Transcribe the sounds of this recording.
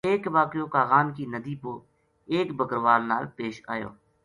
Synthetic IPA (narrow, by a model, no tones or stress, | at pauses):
eːkʋaːkjõːkaːɣaːnkiːnəd̪iːpo | eːkbəkəɾʋaːlna̰ːlpeːʃa̰ːjo̰ː